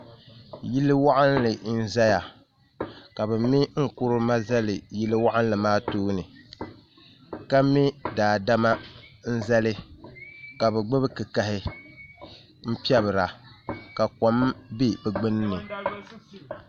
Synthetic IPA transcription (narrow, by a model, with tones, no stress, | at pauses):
ji˦lːɨ˦wa˦ʔa˦nlɨ˨n̩˦za˦ja˨ | ka˨bɛ˨mi˦ŋ̩˦kʊ˦ɾʊ˦ma˦za˦lɨ˨ji˦lɨ˦wa˦ʔa˦n˦lɨ˨maː˦tuː˦nɨ˨ | ka˦mi˦daː˨da˦ma˦n̩˦za˦lɨ˦ | ka˨bɛ˨ɡ͡bɨ˦bɨ˦kɨ˨ka˨hɪ˦ | m̩˦pi˦ɛ˦βɨ˨ɾa˨ka˨kɔ˨˦mbi˦bɛ˨ɡ͡bɨ˦n˦nɨ˨